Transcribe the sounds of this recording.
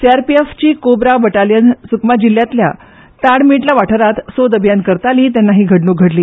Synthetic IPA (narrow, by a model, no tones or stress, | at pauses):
siaɾpieft͡ɕiːkobɾabəʈaljənsukmad͡ʑilːjat̪lja̰ | t̪aɽmiʈlaʋaʈʰəɾat̪sod̪əbʱjankəɾt̪aliːt̪janːaɦiːɡʱəʈnuːɡʱəʈliː